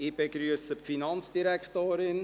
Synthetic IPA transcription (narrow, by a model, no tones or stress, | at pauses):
ɪb̥eɡɾyəsəpfinɑnt͡sd̥iɾækχtoːɾɪn